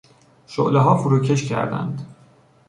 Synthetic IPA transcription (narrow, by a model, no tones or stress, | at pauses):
ʃo̰ʔleɦɒːfuɾuːcʰe̞ʃcʰæ̰ɾd̪æ̰nd̪